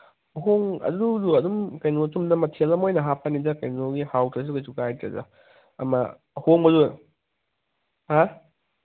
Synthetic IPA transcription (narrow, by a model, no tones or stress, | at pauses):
ɦoŋɐ̰duduɐdumkɐjnot͡ʃumdɐmɐtʰelɐmojnɐɦapʰɐnizɐkɐjnoɡihawtʰɐs̬ukɐjsukajtɐ̰zɐ̰ | ɐ̰mɐ | hoŋbɐzu | ha